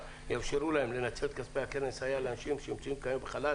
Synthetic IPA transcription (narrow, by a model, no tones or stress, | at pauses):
jafʃeɾulahemle̞nat͡selt̪kaspejake̞ne̞shajaleanaʃimʃeimt͡saimkajembeχala